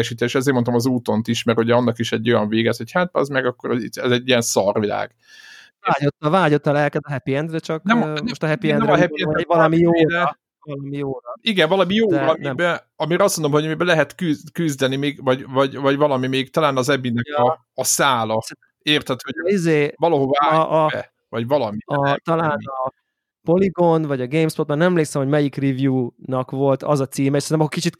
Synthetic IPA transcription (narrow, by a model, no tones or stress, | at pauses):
ɛʃiːt̪eːʃɛzeːrmo̞nt̪omɒzuːt̪o̞nt̪iʃmɛrhouɟɛɒnːɒkiʃɛɟːojɒɱveːɡɛsho̞chat̪̚ɛ̰zmɛɡɒkːoɾiɛzɛɟːijɛnsɒrvila̰ːɡ | aːɟot̪ːɒvaːɟot̪ːɒlɛlkɛt̪ɒɦɛpiɛnd̪rɛt͡ʃɒkd̪ɛmoʃt̪ɒɦɛpiɛɛnɦɛpiɛnvɒlmijoːd̪ | ɒlɒmijoːiɡɛɱvɒlɒmijoːɒmibɛ | ɒmiɾɒstmond̪omɦoɟmibɛlɛɦɛt̪kykyzd̪ɛnimeːɡvɒɟvɒɟvɒɟvɒlɒmimeːɡt̪ɒlaːnɒzɛbinɛkɒː | saːlɒsɛ | eːrt̪hɛt̪øoizeːvɒlɒɦovaːʔɛ̰ | vɒɟvɒlɒmiɒt̪ɒlaːnɒ | po̞liɡo̞nvɒɟɒɡeːmspot̪banɛɛmleːksɛmho̞ɟmɛjikrivjuːnɒkʋo̞lt̪ʰɒzɒt̪siːmɛeʃsɛnɛmɒkːokit͡ʃit̪